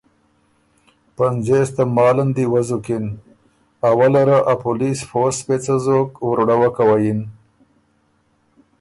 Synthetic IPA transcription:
panzest̪amɑːlənd̪iwazukin | awalaɾaʔapulisfospet͡sazokwɾɽawakawajin

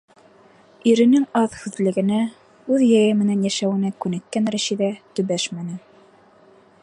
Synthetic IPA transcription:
iɾɘ̆nɘŋɑðhʉðlɘ̆ɡɘ̆næ | ʉðjæjɘmɘ̆nænjæʃæwɘ̆nækʉnɘ̆k̪̚kːænɾæʃiðæt̪ɵ̆βæʃmænɘ

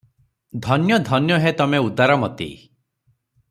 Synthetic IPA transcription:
d̪ʱɔnjɔd̪ʱɔnjɔɦet̪ɔmeud̪aɾɔmɔt̪ḭ

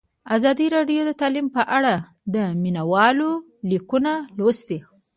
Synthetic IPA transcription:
azɑd̪iɾɑɖjod̪ət̪ɑlimpəʔaɽa | d̪əminawɑlo | likunalwəst̪i

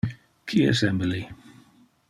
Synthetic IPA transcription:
kʰiə̰sɛ̃mbl̩i

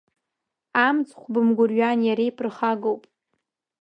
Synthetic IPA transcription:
amt͡sʼχʷbɨmɡʷʊrɥanjaɾejpʰrχaɡowpʼ

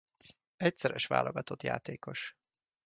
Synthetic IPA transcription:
ɛc̪sɛɾɛʃʋa̰ːlʔo̞ɡɒt̪o̞t̪ja̰ːt̪eːko̞ʃ

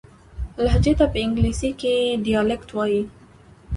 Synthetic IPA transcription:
laɦd͡ʒet̪apəɪŋɡlisikeɖijalɛkt̪waji

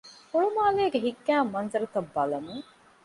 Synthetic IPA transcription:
hoɭumaːleːɡeɦiɡːæːmːɐnzɐɾɐt̪ɐbːɐlɐmuŋ

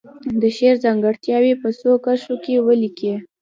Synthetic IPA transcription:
d̪əʃeɾzɑŋɡəɽt̪jɑwepəsokaʃokewəlike

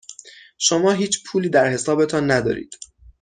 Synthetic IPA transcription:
ʃomɒːɦiːt͡ʃʰpʰuːliːd̪æɾhe̞sɒːbe̞t̪ʰɒnːæd̪ɒ̰ːɾḭːd̪̥

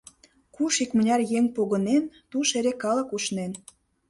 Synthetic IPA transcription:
kuʃikmə̆nʲɑrjeŋʲpoɣə̆nent̪uʃeɾekɑlə̆kuʃnen

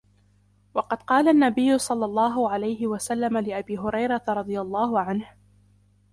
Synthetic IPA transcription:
wɑqɑd̪qɑːlanːabɪjːʊsˤɑlːɑlˤːɑːɦʊʕalajɦɪwasalːamalɪʔabiːɦʊɾɑjɾˤɑt̪ɾˤɑd̪ˤɨjalˤːɑːhʊʕanh

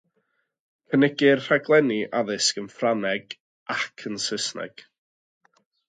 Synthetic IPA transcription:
pʰənɪɡɪɨrr̥aɡlˠɛniʔaðɨskənfranɛɡ | ʔakʰənsɪsnɛ̰ɡ̥

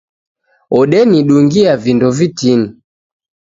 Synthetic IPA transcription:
ɔɗɛniɗuŋɡiavindɔvitini

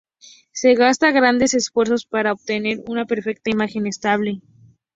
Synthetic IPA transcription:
se̞ɣast̪aɣɾand̪e̞se̞sfwe̞ɾso̞spaɾaoβ̚t̪e̞ne̞ɾunape̞ɾfe̞k̚t̪aimaxe̞nest̪aβle̞

